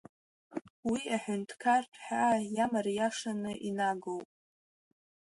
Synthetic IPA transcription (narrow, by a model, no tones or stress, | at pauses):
wiaħʷᶣʊntʰkʰarpʰħajamarjaʂanɨʔinaɡowpʼ